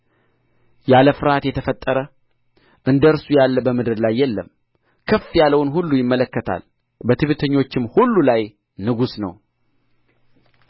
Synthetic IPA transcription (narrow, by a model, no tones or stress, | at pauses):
jaləfɨɾhat̪jɛt̪ʰəfət̪ʼːəɾə | ʔɨnd̪əɨɾsujalːəbəmɨd̪ɨɾlajːɛlːəm | kʰəfːjaləwnɦulːujɪmːələkːət̪ʰa̰l | bət̪ʰɨβɨt̪ʰəɲːo̞t͡ʃːɪmhulːulaj | nɨɡusnə̰w